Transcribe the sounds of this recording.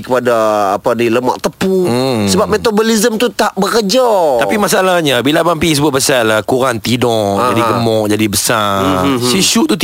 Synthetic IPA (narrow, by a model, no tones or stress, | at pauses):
kəpadaːpadiləma̰ʔt̪əpusəbap̚met̪obolizəmt̪ut̪aʔbəkəd͡ʒat̪apimasaalahɲabilabampis̬əbʊt̪̚bəsalahkuɾaŋt̪idɔʔd͡ʒadiɡəmɔʔd͡ʒadibəsasiʃut̪ut̪